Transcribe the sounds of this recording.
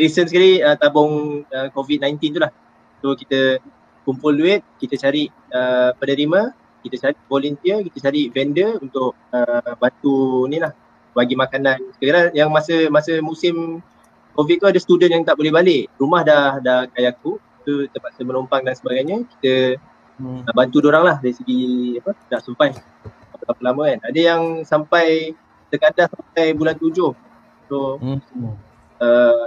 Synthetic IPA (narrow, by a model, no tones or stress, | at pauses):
ɾisənsəkaɾiət̪abʊŋəkovit̚najnt̪int̪ulah | sokit̪ə | kumpʊlːuɛt̪̚kit̪ət͡ʃaɾiʔ | əpənəɾimã | kit̪ət͡ʃaɾiʔvolunt̪iəkit̪ət͡ʃaɾiʔvɛndəunt̪ʊʔ̚əbant̪unĩlah | baɡimakananskəkaɾaŋjaŋmasəmasəmusɪm | kofiʔ̚t̪uadəsə̥t̪udənjaŋt̪aʔbolɛhbalɪʔrumahdahdahkajak̪u | t̪ut̪əpaʔsəmənumpaŋdansəbaɡajɲəki̥t̪ə | abant̪udoɾaŋlahdaɾisəɡiapənaʔsəmpaj | apəlapəlamə̃anadəjaŋsampaj | t̪əkandasampajbulant̪ud͡ʒʊh | so | ə